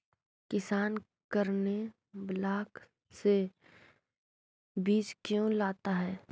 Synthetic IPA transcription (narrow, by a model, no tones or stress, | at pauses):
kɪsaːn | kəɾne | blaːk | se | biːd͡ʒkjõlaːt̪aɦɛː